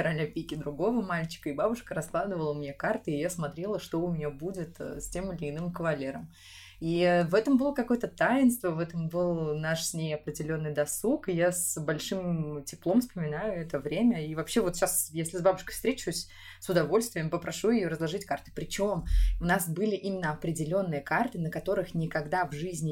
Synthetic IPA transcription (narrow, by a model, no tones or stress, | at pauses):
ɾɐlʲnʲɐpʲikʲɪd̪ɾʊɡo̞vəmalʲt͡ɕɪ̥kəibabʊʂkəɾɐsklˠad̪ɨvəlˠəʊmʲɪnʲekart̪ɨɪjasmɐt̪ɾʲe̞lˠəʂt̪o̞ʊmʲɪnʲabudʲɪt̪ːsʲtʲe̞mɪlʲɪːnɨmkəvɐlʲeɾəm | ivɛt̪əmbɨlˠəkɐko̞jət̪ət̪ajɪnst̪vəvɛt̪əmbɨlˠnaʂsʲnʲejɐpɾʲɪdʲɪlʲo̞nːɨjd̪ɐsukɨjasbɐlʲʂɨmtʲɪplˠo̞mfspəmʲɪnajʊɛt̪əvɾʲemʲəivɐpɕevot̪ɕasjesʲlʲɪzbabʊʂkə̥jfst̪ɾʲet͡ɕɪʊsʲ | sʊd̪ɐvo̞lʲst̪vʲɪjəmpəpɾʔɐʂujɪjoɾəzlˠɐʐɨtʲkart̪ɨ̥pɾʲɪt͡ɕo̞mʊnasbɨlʲɪʔimʲɪnːəɐpɾʲɪdʲɪlʲo̞nːɨjəkart̪ɨnəkɐt̪o̞ɾɨxnʲɪkɐɡd̪avʐɨzʲnʲɪ